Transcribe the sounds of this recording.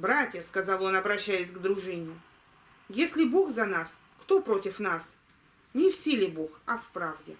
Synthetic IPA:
bɾatʲjəskɐzalˠo̞nɐbɾɐɕːæjʊsʲɡd̪ɾʊʐɨnʲɪjʊ | jesʲlʲɪboxzɐnas | kt̪o̞pɾo̞tʲɪfnas | nʲɪfsʲilʲɪboxɐfpɾavdʲɪ̰

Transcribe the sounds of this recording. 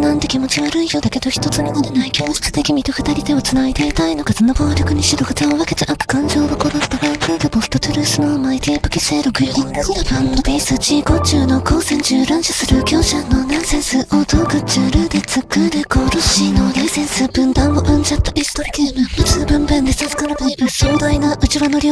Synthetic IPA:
nãnt̪ekʲimo̞t͡ɕiβaɾɯ̟ijod̪ake̞d̪o̞çʲi̥t̪o̞t͡sɨminoɾenaikʲoːɕkɯ̥t̪ekʲimʲit̪o̞ɸɯ̟̥t̪aɾʲit̪e̞ot͡sɨnait̪eit̪aino̞ɡazɨnoboːɾʲokɯ̟ɲ̟iɕid̪oɡat̪eoβaket̪eʔakɯ̥kãɲ̟d͡ʑo̞ːd̪okod̪osɨ̥t̪obãsɯːd̪ɨposɨ̥t̪o̞t̪ɯɾʲɯːsɨnomait̪epɯ̟kʲise̞ːɾokɯ̟joopanobʲisɨt͡ɕiːko̞t͡ɕɨːno̞koːsẽɲt͡ɕɨːɾãɰɕɨsɨɾɯ̟kʲo̞ːɕanːonãɰ̃sẽ̞ɰ̃sɨʔot̪okɯ̟t͡ɕɨːɾɯːd̪et͡sɨkːɯd̪ekoːɾoɕinod̪aisẽ̞ɰsɨb̥ɯ̟̃nd̪ãmmoʔɯ̃ɲd͡ʑat̪ːoʔist̪oɾʲikemɯmaɨbɯ̟̃mbɯ̃nd̪esasɨ̥kaɾabaaɕoːd̪ainaɯ̟t͡ɕiβanoɾʲi

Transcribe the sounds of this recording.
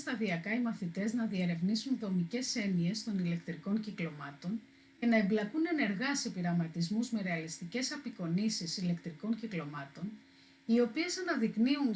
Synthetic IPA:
st̪ɐðiɐkɐimɐθit̪e̞znɐðieɾe̞vnisunðo̞mice̞se̞nie̞st̪o̞nile̞kt̪ɾiko̞nciklo̞mɐt̪o̞n | e̞nɐe̞mblɐkune̞ne̞ɾɣɐsepiɾɐmɐt̪izmuzme̞ɾe̞ɐlist̪ice̞sɐpiko̞nisisile̞kt̪ɾiko̞ɲciklo̞mɐt̪o̞n | io̞pie̞sɐnɐðikniun

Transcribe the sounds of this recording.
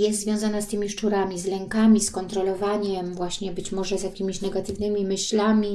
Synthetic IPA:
jɛst̪zvʲjɔ̃w̃zanast̪ɘmʲiʂt͡ʂuɾamʲizlɛŋkamʲiskɔnt̪ɾɔlɔvaɲɛmvwaɕɲɛbɘt͡ɕmɔʐɛzʲjakʲimʲiɕnɛɡat̪ɘvnɘmʲimɘɕlamʲi

